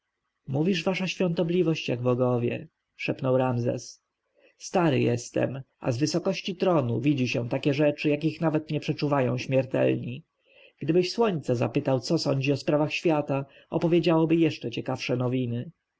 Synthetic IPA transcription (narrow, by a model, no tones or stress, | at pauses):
muvʲiʐvaʂaɕfʲjɔ̃nt̪ɔblʲivɔɕt͡ɕjaɡ̚bɔɡɔvʲjɛ̰ | ʂɛpnɔwɾamzɛ̰s | st̪aɾɘ̰jɛst̪ɛ̰mʔa̰zvɘsɔkɔɕt͡ɕit̪ɾɔnuvʲid͡ʑiɕɛ̃t̪akʲɛʐɛt͡ʂɘjak̬ʲixnavɛt̪ɲɛpʂɛt͡ʂuvajɔ̃w̃ɕmʲjɛɾt̪ɛ̰lɲi | ɡ̥d̪ɘbɘɕswɔɲt̪sɛza̰pɘt̪awt̪sɔsɔɲd͡ʑiɔspɾavaxɕfʲjat̪a | ɔ̰pɔvʲjed͡ʑawɔbɘjɛʂt͡ʂɛt͡ɕɛkafʂɛnɔvʲinɘ